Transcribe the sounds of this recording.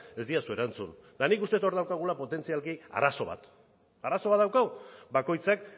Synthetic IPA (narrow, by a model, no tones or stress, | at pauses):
e̞zd̪iasue̞ɾant͡sṵnd̪anikust̪e̞t̪o̞ɾðawkaɣ̞ulapo̞t̪e̞nt͡sialkia̰ɾaso̞βa̰t̪ | aɾaso̞βat̪d̪ðawkaɣubako̞jt͡sak̚